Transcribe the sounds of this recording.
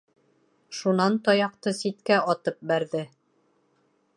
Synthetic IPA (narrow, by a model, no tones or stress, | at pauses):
ʃunɑnt̪ɑjɑqt̪ɤsit̪kæʔɒt̪ɤp̚bæɾðɘ